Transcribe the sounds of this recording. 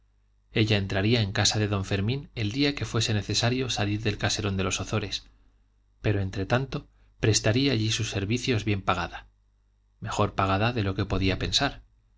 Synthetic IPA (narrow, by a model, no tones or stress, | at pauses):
e̞ʎae̞nt̪ɾaɾiae̞ŋkasaðe̞ðo̞ɱfe̞ɾmĩne̞ld̪iake̞fwe̞se̞ne̞θe̞saɾjo̞saliɾðe̞lkase̞ɾo̞nd̪e̞lo̞soθo̞ɾe̞s | pe̞ɾo̞ent̪ɾe̞t̪ant̪o̞ | pɾe̞st̪aɾiaːʎisusːe̞ɾβiθjo̞zβje̞mpaɣ̞aða | me̞xo̞ɾpaɣ̞aðaðe̞lo̞ke̞po̞ðiape̞nsaɾ